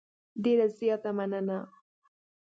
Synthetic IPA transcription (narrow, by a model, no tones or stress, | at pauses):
ɖeɾazjɑt̪amanəna